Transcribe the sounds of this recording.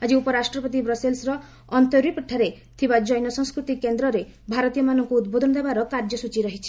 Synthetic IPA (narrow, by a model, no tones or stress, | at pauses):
ad͡ʒiupɔɾasʈɾɔpɔt̪̬ibɾɔselsɾɔː | nt̪ɔɾipiʈʰːaɾe | t̪ʰibad͡ʒɔjnɔsɔŋskɾut̪ikːend̪ɾɔɾebʱaɾɔt̪ijɔmanɔŋkuːd̪bod̪ʱɔnɔd̪ebaɾɔkaɾd͡ʒɔsut͡ʃiɾɔɦit͡ʃʰi̥